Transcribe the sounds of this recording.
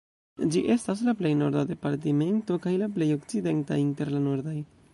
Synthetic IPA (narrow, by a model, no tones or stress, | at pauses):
d͡ʒiʔe̞stas̬laple̞jno̞ɾd̪ad̪e̞paɾt̬ime̞nto̞kajlaple̞jo̞k̚t͡sid̪e̞ntainte̞ɾlano̞ɾd̪aj